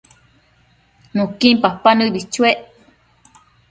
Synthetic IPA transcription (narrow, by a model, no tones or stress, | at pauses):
nũkimpapanɨβit͡ʃueʔ